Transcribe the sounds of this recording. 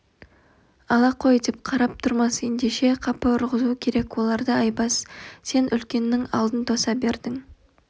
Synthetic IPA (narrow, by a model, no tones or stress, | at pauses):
ɑlˠɑqʰo̞jd̪ep̚qʰɑɾɑp̚t̪ʰʊɾmɑse̞nd̪e̞ʃe̞qʰɑpɑʊɾʁəzukʲʰe̞ɾe̞kwo̞lˠɑɾd̪əɑjbɑsse̞nʔʏlkʲe̞nːɪŋɑ̰lˠd̪ənt̪ʰosɑbe̞ɾd̪ɪŋ